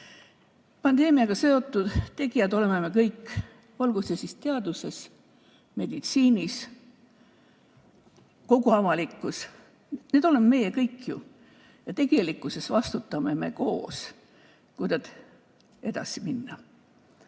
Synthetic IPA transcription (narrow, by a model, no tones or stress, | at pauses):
pɑnd̪e̞ːmiɑɡ̥ɑse̞o̞t̪ːˑud̪̥t̪e̞ɡijɑd̪o̞le̞memekɤjkːˑ | olɡ̥usesist̪e̞ɑd̪use̞s | me̞d̪̥it̪siːnʲis | ko̞ɡ̥uɑvɑlikːˑus | ned̪̥o̞le̞meme̞je̞kɤjkːˑjṵ | jɑt̪e̞ɡ̥e̞likːˑuse̞svɑst̪ut̪ːˑɑmeme̞̰ko̞ːs | kujd̪ɑd̪ | e̞d̪̥ɑ̰siminːɑ